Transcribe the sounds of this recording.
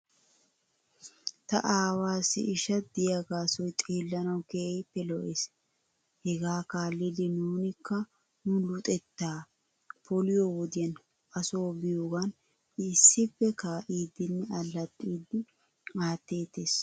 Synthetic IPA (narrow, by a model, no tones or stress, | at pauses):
t̪ɐ̰ʔaːwaːsːɪ̰ɪʃɐd̪ɪjaɡaːsɔjt̪ʼe̞ːlːɐnɐwkeːɛjpːɛlɔʔeːs | hɛɡaːkaːlːɪd̪ɪnuːnɪkːɐ | nunlʊt̪ʼɛt̪ːaː | pɔlɪjowɔd̪ɪjɐn | ɐsoːbɪjoːɡɐn | ɪsːɪpːɛkaːʔiːd̪ɪnːɛɐlːɐt̪ʼːiːd̪ːɪ | aːt̪ːe̞ːt̪e̞ːs